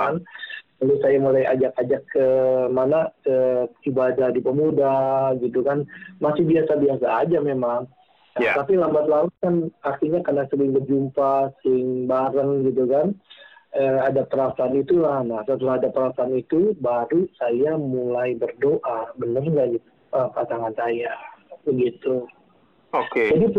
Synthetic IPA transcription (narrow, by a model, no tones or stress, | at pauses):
n | alosajamulaja̰d͡ʒakad͡ʒakːəmanaəibadadipəmudaɡit̪ukanmasɪhbiasabiasaːd͡ʒamemaŋ | at̪apilambat̪lalukanakiɲakənasəɾɪŋbərd͡ʒumpasəɾɪŋbaɾəŋɡit̪̬ukan | əadapəɾasaːnit̪ulahnahsət̪əlahadapəɾasaːnit̪ubaɾusajamulajbərdoʔabənərŋɡad͡ʒi | əkasaŋansajabəɡit̪u | oked͡ʒadi